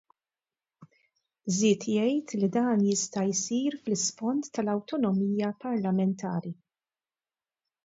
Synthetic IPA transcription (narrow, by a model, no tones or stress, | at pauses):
zɪːt̪jɛjt̪lid̪ɐːnjɪst̪ɐjsiːɾflɪsfɔnt̪ːɐlɐwt̪ɔnɔmiːjɐpɐɾlɐmɛnt̪ʰɐːɾi